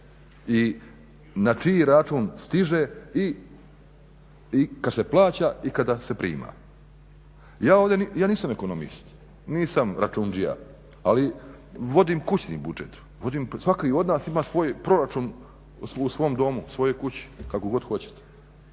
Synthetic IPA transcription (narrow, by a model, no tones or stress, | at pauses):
i | nat͡ʃiɾat͡ʃuːnst̪iʒei | ikad̪seplˠaːt͡ɕaikad̪ase̞pɾḭːma̰ | jaːoːʋd̪ʲenjaːniːsameko̞nomḭst̪ | niːsamɾat͡ʃund͡ʒija̰ | ali | ʋo̞d̪imkut͡ɕnḭːbud͡ʒet̪ | ʋo̞d̪imsʋakio̞d̪naːsimaːsʋo̞ːjpɾo̞ɾat͡ʃuːn | susʋo̞omd̪o̞musʋo̞jo̞jkut͡ɕi̥kako̞ɡo̞d̪xo̞t͡ɕe̥t̪e̥